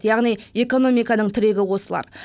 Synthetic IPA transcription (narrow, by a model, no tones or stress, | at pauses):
jɑʁnije̞ko̞no̞mijkɑnəɴt̪ʰɪɾe̞ɡʲɪwo̞səlˠɑ̰ɾ